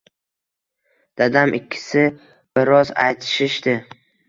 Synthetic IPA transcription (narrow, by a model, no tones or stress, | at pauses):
d̪̥ad̪amʔɪkʲʰːɪ̥sɪ | bɪɾɒza̰jt̪ʰɪ̥ʃɪʃd̪ɪ